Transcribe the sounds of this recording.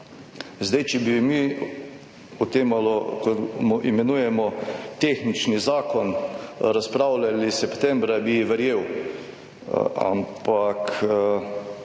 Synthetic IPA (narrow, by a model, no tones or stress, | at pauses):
zd̪ajt͡ʃɛbimi | ut̪eːmalɔkɔmuʔimɛnujɛmɔt̪eːxnit͡ʃnizaːkɔnɾaspɾawlalisɛpt̪ɛ̃mbɾabiʋɛɾjeːw | a̰mpak